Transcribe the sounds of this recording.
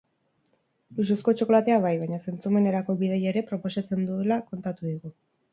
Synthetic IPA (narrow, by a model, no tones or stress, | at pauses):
lususko̞t͡ʃo̞ko̞lat̪e̞aβ̞ajβajɲase̞nt͡sume̞ne̞ɾako̞βiðeje̞ɾe̞pɾo̞po̞sat͡se̞nd̪ue̞lako̞nt̪at̪uðiɣu